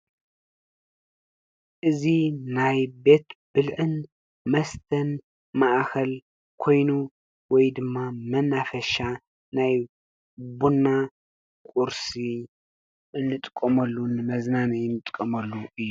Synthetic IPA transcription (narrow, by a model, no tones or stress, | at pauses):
ʔɨzinajbe̞t̪b̥ɨlʕɨn | mɐst̪ʰɐn | maʔkʰɐl | kʰo̞jnu | wɔjd̪ɨmːamɐnːafɐʃa | naj | bunːa | kʼuɾsi | ɨnːɨt̪ʼkʼːɐmɐlːunːɨmɐznanijɨnːɨt̪ʼkʼːɐmɐlːuɨjːu